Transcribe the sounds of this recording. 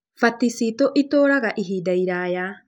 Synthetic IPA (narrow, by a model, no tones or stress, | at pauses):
fat̪isit̪oʔit̪oɾaɡaʔiɦidajɾaja